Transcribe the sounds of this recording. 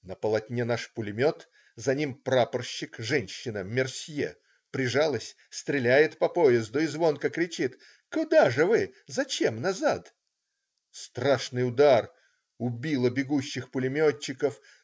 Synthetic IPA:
nəpəlˠɐtʲnʲenaʂpʊlʲɪmʲo̞t̪ | zɐnʲimpɾapərɕːɪkʐɛnʲɕːɪnəmʲɪrsʲjḛ | pɾʲɪʐalˠəsʲ | st̪ɾʲɪlʲæjɪt̪pɐpo̞jɪzd̪ʊɪzvo̞nkəkɾʲɪt͡ɕit̪ | kʊd̪aʐɨvɨzɐt͡ɕemnɐzat̪ | st̪ɾaʂnɨjʊd̪ar | ʊbʲilˠəbʲɪɡuɕːɪxpʊlʲɪmʲo̞t͡ɕːɪkəf

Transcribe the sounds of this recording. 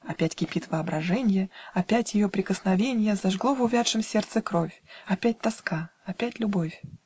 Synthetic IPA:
ɐpʲætʲkʲɪpʲit̪vəɐbɾɐʐɛnʲɪjəɐpʲætʲjɪjopɾʲɪkəsnɐvʲenʲɪjəzɐʐɡlˠo̞vʊvʲat̪ʂɨmsʲe̞rt̪sɨkɾo̞fʲɐpʲæt̚ʲt̪ɐskaɐpʲætʲlʲʊbo̞fʲ

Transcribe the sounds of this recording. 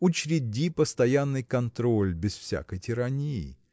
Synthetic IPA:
ʊt͡ɕɾʲɪdʲipəst̪ɐjanːɨjkɐnt̪ɾolʲbʲɪsfsʲa̰kəjtʲɪɾɐnʲijɪ̰

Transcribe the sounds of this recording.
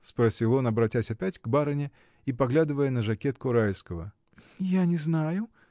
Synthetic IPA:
spɾasʲilˠɔnɐbɾat͡sʲasʲapʲat͡sʲɡbaɾɐnʲɛ | ipaɣlʲad̪ɨvəjɛnɐʐakʲɛt̪kʊɾajskɐvɐ | janʲɛznajʊ

